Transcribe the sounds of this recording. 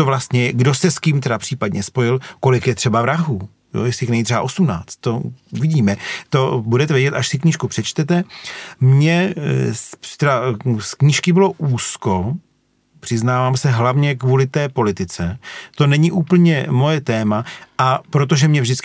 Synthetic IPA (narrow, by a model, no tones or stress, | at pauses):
t̪ovlast̪ɲɛɡdo̞sɛskimt̪ɛdapr̥iːpadɲɛspo̞jɪlko̞lɪkjɛt̪r̝̥ɛbavɾaɦuː | jo̰jɛslɪjxnɛɲit̪r̥ɛaʔo̞sumna̰ːt͡st̪̚t̪ːo̞uvɪɟiːmɛt̪o̞budɛt̪ɛvjɛɟɛt̪ʔaʃsɪkɲiːʃkupr̝̥ɛt͡ʃt̪ɛt̪ɛmɲɛspt̪ɛɾaskɲiʃkɪbɪlo̞ʔuːsko̞ | pr̥ɪznaːvaːmsɛɦlavɲɛkvuːlɪt̪ɛːpo̞lɪt̪ɪt͡sɛt̪o̞nɛɲɪʔuːpl̩ɲɛmo̞jɛt̪ɛːmaʔapɾo̞t̪̬o̞ʒɛmɲɛvʒdɪt͡skɪ